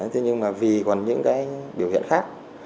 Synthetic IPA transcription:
t̪ʰe˨˦ɲɨ˧ŋmaː˨˩vi˨˩kɔ˨˩nɲɨ̰˧˥ŋkaː˨˦jɓi˧˩əwhḭ˧˨ənxaː˦˥k̚

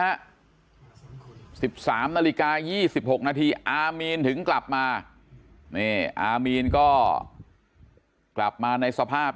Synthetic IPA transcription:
a˦˥ʔ | si˨˩p̚saː˩˦mnaː˧li˦˧kaː˧jiː˥˩si˨˩p̚ho˨˩k̚naː˧t̪ʰiː˧ʔaː˧miː˧nt̪ʰɯ˩˦ŋkla˨˩p̚maː˧ | ni˥˩ʔaː˧miː˧nkɔː˥˩ | kla˨˩p̚maː˧na˧jsa˧pʰaː˥˩p̚

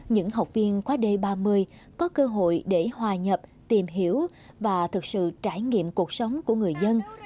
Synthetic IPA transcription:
ɲɨ̰˧˥ŋɦa˨˩wk͡p̚vi˧ənkwaː˨˦ɗe˧ɓaː˧mɨ˧əj | kɔ˨˦kəː˧ɦo̰˧˨jɗe˧˩hwaː˨˩ɲə˨˩p̚ | t̪i˨˩mɦi˧˩əw | vaː˨˩t̪ʰɨ˨˩k̚sɨ̰˧˨t͡ɕaː˧˩jŋḭ˧˨əmku˨˩ək̚sə˨˦wŋ͡mku˧˩əŋɨ˨˩əjzə˧n

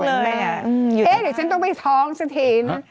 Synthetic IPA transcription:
lɤː˧ja˨˩ʔɯ˧˨eː˦˧˦dɯ˨˩˦t͡ɕʰa˦˥nt̪ɔ˥˩ŋpa˧˩jt̪ʰɔː˨˦˥ŋsa˧˩t̪ʰiː˧˩na˦˥

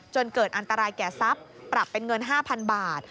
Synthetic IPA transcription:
t͡ɕo˧nkɤː˨˩t̪̚ʔa˧nt̪a˧ɾaː˧jkɛː˨˩sa˦˥pːɾa˨˩pːe˧nŋɤ˧nɦaː˥˩pʰa˧nbaː˨˩t̪̚

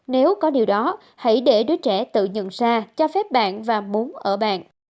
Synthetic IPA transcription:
ne˨˦wkɔ˨˦ɗi˨˩əwɗɔ˨˦ | ha̰˧˩jɗe˧˩ɗɨ˨˦jt͡ɕɛ˧˩t̪ɨ̰˧˨ɲə̰˧˨nsaː˧t͡ɕɔ˧fɛ˦˥p̚ɓa̰ː˧˨nvaː˨˩mu˨˦ənʔəː˧˩ɓa̰ː˧˨n

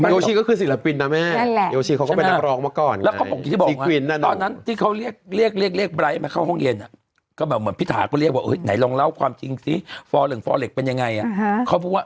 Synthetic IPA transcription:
a˥joː˧t͡ɕʰiː˧kɔ˥˩kʰɯː˧˩si˨˦la˧pi˧nːa˦˥mɛ˦˥˩na˥˧joː˧t͡ɕʰiː˧kʰa˦kːe˧na˧˥˩ɾɔː˧ŋmaː˧˩kɔː˨˩nlɛː˦˥kɔ˥˩pɔ˨˩k̚i˨t̪iː˥˩bːk̚ŋa˦wi˧˩nːa˧˩˨t̪ɔː˧nːa˦˥nt̪ʰiː˥˩kʰa˦˥wɾi˥˩ək̚ɾi˥˩ək̚ɾi˥˩ək̚li˥˩ək̚bɾaː˧˦ja˥˧ma˦˥kʰa˥˩hɔ˥˩ŋje˧nʔa˨˩ | kɔː˥˩bɛː˨˩p̚mɯ˩˦ənpʰi˦˥t̪ʰaː˩˦kɔː˥˩ɾi˥˩k̚waː˦˥˩ʔɤː˨˦˥jna˨˩˦jlɔ˧ŋla˦˥˩wkʰwaː˧mt͡ɕi˧ŋsi˦˥fɔː˧lɯ˨˩˦ŋfɔː˧le˨˩k̚pe˧nja˧ŋːa˧jʔa˨˩kʰa˦˥˩pʰuː˦˥˩waː˥˩

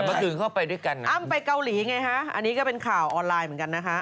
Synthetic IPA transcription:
mɔ˧˩ɯː˨˦ŋkʰa˥˩wpa˧jdu˥˩əjka˧nʔa˥˩mpa˧jka˧wliː˩˦ŋa˧jkʰa˦˥ʔʔa̰˧nːiː˦˥kɔː˥˩pe˧nkʰaː˨˩wʔɔː˧nlaː˧jmɯ˩˦nka˧nːa˦˥kʰa˦˥ʔ

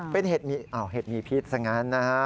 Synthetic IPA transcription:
pe˧nheː˨˩t̪̚miː˧ʔa˧˩wɦeː˨˩t̪̚miː˧pʰi˦˥t̪̚sa˧˩ŋa˦˥nːa˦kʰa˦

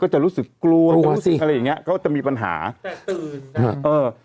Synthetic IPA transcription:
kɔː˥˩t͡ɕa˨˩ʔɾuː˦˥sɯ˨˩kːlu˧ɐ˧˥ɾu˥˨˧kʔa˧ɾa˧ja˨˩ŋːi˦˥ɐʔkʰɔː˥˩t͡ɕa˨˩ʔmiː˧pa˧nɦa̰ː˩˦˨ɯː˨˧ʔɤː˧

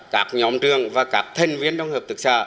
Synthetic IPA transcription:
kaː˦˥k̚ɲɔ˨˦mt͡ɕɨ˨˧˩əŋvaː˨˩kaː˦˥k̚t̪ʰə˨˩ŋ̟vi˧˥ənɗə˧wŋ͡mhəː˨˩p̚t̪ɨ˨˦˥k̚sa̰ː˧˩

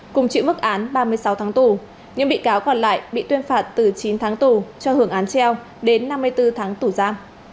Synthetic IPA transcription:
kʊ˨˩ŋ͡mt͡ɕḭ˧˨wmɨ˦˥k̚ʔaː˨˦nɓaː˧mɨ˧əjsa˨˦wt̪ʰaː˨˦ŋt̪u˧˩ | ɲɨ̰˧˥ŋɓḭ˧˨kaː˨˦wkɔ˧˩nla̰ː˧˨jɓḭ˧˨t̪wi˧ənfaː˧˨˩t̚t̪ɨ˨˩t͡ɕi˨˦nt̪ʰaː˨˦ŋt̪u˧˩t͡ɕɔ˧hɨ˨˧˩əŋʔaː˨˦nt͡ɕɛ˧w | ɗe˨˦nːa˧mːɨ˧əjt̪ɨ˧t̪ʰaː˨˦ŋt̪u˧˩zaː˧m

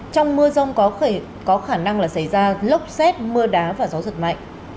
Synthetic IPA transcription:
t͡ɕɔ˧wŋ͡mmɨ˧əzə˧wŋ͡m | kɔ˨˦xaː˧˩na˧ŋlaː˨˩sa˧˩jzaː˧lə˦˥wk͡p̚sɛ˦˥t̚mɨ˧əɗaː˨˦vaː˨˩za˨˦zɨ˨˩t̚ma̰˧˨jŋ̟

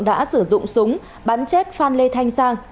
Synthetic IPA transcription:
ɗa̰ː˧˥sɨ˧˩zʊ̰˧˨ŋ͡msʊ˨˦ŋ͡m | ɓaː˨˦nt͡ɕe˦˥t̚faː˧nle˧t̪ʰa˧jŋ̟saː˧ŋ

